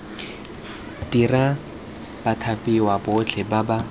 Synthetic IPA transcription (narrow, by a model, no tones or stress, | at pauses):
dira | b̥atʰapʼiwabʊt͡ɬʰɛbaba